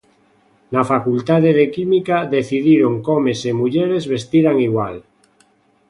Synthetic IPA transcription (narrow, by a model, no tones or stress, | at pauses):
nafakult̪aðeð̞ekimikaðeθiðiɾoŋkomesemuʎeɾezβe̞st̪iɾaŋiɣwal